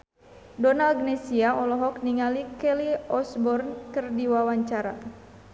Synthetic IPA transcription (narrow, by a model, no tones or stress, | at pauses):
dɔnalɡnɛsiaʔɔlɔɦɔk̚niŋalikɛliɔsbɔrnkɨrdiwawaɲt͡ʃaɾa